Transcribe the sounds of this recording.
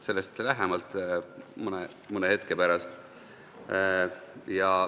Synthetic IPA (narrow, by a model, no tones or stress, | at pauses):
se̞lːe̞st̪læɦemɑlt̪mɯne | mɯnehet̪ke̞pæɾɑst̪ | jɑ